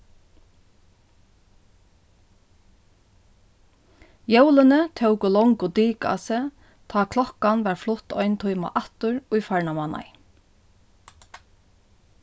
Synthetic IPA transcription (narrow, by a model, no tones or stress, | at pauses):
jœwlənət̪ʰœwkʊlɔŋkʊd̪iːka̰sə | t̪ʰɑːkʰlɔkanʋæːɹflʊt̪ɔʏnt̪ʰʊʏma̰ʔɑt̪ʊɹʊjfaɹɳamana̰j